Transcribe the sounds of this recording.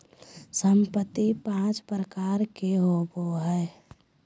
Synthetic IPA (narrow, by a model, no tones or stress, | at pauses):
səmpət̪ipãːt͡ʃpɾəkaːɾkeɦoboɦɛ